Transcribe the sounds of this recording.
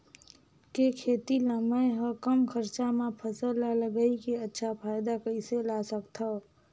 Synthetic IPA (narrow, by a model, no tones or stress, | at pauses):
kekʰeːt̪iləməjɦə̃kəmkʰəɾt͡ʃamẽpʰəsəlaləɡəikeətːʃʰapʰaːɪd̪akəiselasəkt̪ʰə